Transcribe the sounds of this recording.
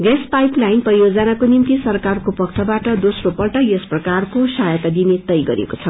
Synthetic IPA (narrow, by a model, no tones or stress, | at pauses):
ɡespajplajinprʌjod͡zʌnakonimt̪isʌrkarkopʌkt̪ʰʌbaʈʌd̪osropʌlʈʌjʌsprʌkarkosajʌt̪ad̪inet̪ʌjɡʌɾḛkot͡sʰʌ